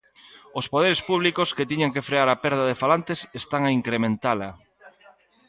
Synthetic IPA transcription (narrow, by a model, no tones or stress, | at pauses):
ospoðeɾespuβlikosket̪iɲaŋkefɾeaɾapɛɾðɐðefalant̪esest̪aŋaiŋkɾemẽnt̪alɐ